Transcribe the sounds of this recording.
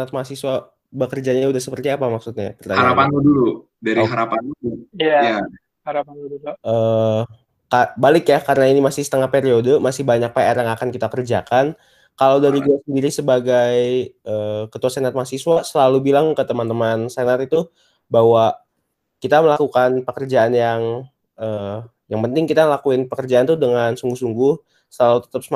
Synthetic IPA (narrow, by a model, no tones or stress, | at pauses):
nat̪̚masiswa | bəkərd͡ʒaɲaudahsəpərt̪iapamaksut̪̚ɲa̰kərdaaɾapanudulu | daɾiɦaɾapanudujaja | haɾapanuduluʔəː | kabalɪkjakaɾənainimasɪhsə̥t̪əŋahpeɾiodomasɪhbaɲak̚paeɾaŋakankit̪akərd͡ʒakan | kalawdaɾiɡuasəndiɾisəbaɡajʔəːkət̪uasenat̪̚masiswasəlalubilaŋkət̪əmant̪əmansenarit̪u | bawa | kit̪aməlakukanpəkərd͡ʒaanjaŋ | ʔəː | jaŋpənt̪ɪŋkit̪alakuɪnpəkərd͡ʒaːnt̪udəŋansuŋɡuhsuŋɡʊh | səlalut̪ə̥t̪əps